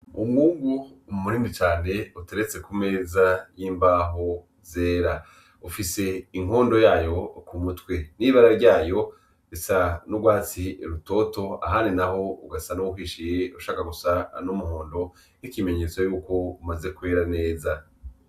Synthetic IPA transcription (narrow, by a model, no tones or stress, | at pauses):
umŋuːŋɡuːmumuɾiːmit͡ʃaːne̞uteɾet͡se̞kume̞ːzajiːmbaːɦo̞ | ze̞ːɾa | ufise̞iŋ̥o̞ːndo̞jaːjo̞kumutwe̞niːβaɾaɾɟaːjo̞ | isanuɡwaːt͡siɾuto̞to̞a̰ɦaːninaɦo̞uɡasanoukiːʃije̞uʃaːkaɡusanumuho̞ːndo̞ | hikime̞ɲe̞ːt͡sojuːko̞umaze̞kweːɾane̞ːza